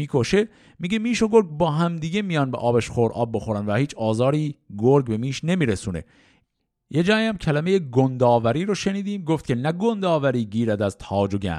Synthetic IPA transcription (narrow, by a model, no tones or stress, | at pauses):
iːkʰoʃe̞ | miːɡemiːʃoɡoɾɡ̚bɒːɦæmd̪iːɡe̞mijɒːnbḛʔɒːbeʃχoɾʔɒ̰ːb̚ːoxoɾænvæhiːt͡ʃʰɒːzɒːɾiːɡoɾɡbe̞miːʃne̞miːɾesuːne̞̰ | jed͡ʒɒːiæmcʰælæmeje̞ɡond̪ɒːvæɾiːɾoʃe̞niːd̪iːmɡoft̪̚cʰʲe̞næɡond̪ɒːvæɾiːɟiːɾæd̪æzt̪ʰɒːd͡ʒoɟæ̰